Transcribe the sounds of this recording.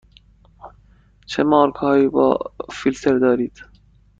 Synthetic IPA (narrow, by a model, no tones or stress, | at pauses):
t͡ʃʰemɒːɾkhɒːiːbɒ̰ːfilt̪ʰeɾd̪ɒːɾiːd̪̥